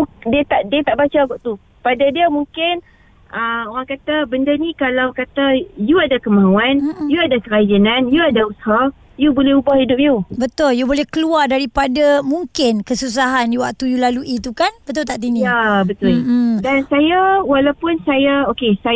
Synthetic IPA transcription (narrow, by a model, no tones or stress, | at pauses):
diət̪aʔdiat̪aʔbat͡ʃaɡɔʔt̪u | padadiamuŋkɪn | əoɾaŋkat̪abəndanĩkalawkat̪ajuadakəmãuanjuadakəɾad͡ʒananjuadausaha | jubolɛhubahhidʊp̚jubət̪ʊljubolɛhkəluardaɾipadamuŋkɪnkəsus̬aɦanjuwak̚t̪ujulaluʔit̪ukanbət̪ʊlt̪aʔt̪̬iŋiabət̪ʊldansajawalawpʊnsajaokesa